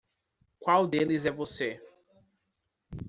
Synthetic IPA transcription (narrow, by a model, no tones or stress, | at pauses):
kʷwawd̪elɪzɛvose